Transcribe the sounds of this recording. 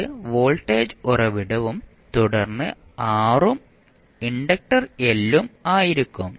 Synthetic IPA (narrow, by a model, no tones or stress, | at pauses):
ɨʋo̞ːlʈːeːd͡ʑurɐʋiɽɐʋum | t̪uɽɐrnːɨaːrum | iɳɖɐk̚ʈɐrelːumaːjiɾikʲːum